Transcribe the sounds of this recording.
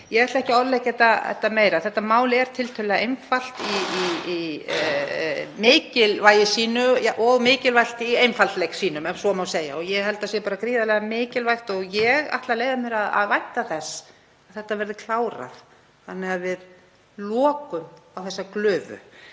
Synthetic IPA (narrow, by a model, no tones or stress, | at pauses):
jɛɛt̪laɛhcɪɔɾlɛcɛt̪aɛ̰ht̪ːameːjɾaθɛht̪ːamaːwlɪɛɾ̥t̪ʰɪlt̪ʰœlɛɣaejnfal̥t̪i | mɪːcɪlvajɪsiːnʏjaʔɔɣmɪːcɪlvajl̥t̪iejnfalt̪lɛjksiːnʏmɛmsɔmawseːja̰ɔɣjɛɣɦɛl̪t̪asjɛpaːɾakɾiːðalɛːɣamɪːcɪlvajxt̪ɔɣjɛɣa̰ht̪laleːjðamɛɾaða̰ðvajht̪aθɛs | ḁθɛht̪ːavɛɾðʏkʰl̥aːwɾa̰θ | θanːɛɣavɪð | lɔːkʏmawθɛsːaklʏːvʏ̰